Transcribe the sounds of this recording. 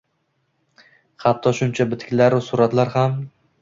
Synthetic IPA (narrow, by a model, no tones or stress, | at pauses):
hat̪ʰːɒʃʊnt͡ʃʰabɪt̪kʲlaɾsʊɾat̪laɾham